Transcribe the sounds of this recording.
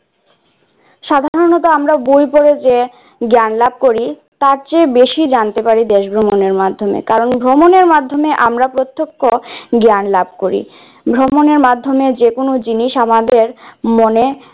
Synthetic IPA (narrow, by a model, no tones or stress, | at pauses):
ʃad̪ʱaaɾonɔt̪oamɾabujpoɾed͡ʑe | ɡanlab̚koɾi | t̪aɾt͡ɕebeʃid͡ʑant̪epaɾid̪eʃbʱɾomoneɾmad̪ʱomḛkaɾonbʱɾomoneɾmad̪ʱːomeʔamɾapɾot̪ːokʰːoɡanlabkoɾḭ | bʱɾomoneɾmad̪ʱːomed͡ʑekonod͡ʑiniʃamad̪eɾmone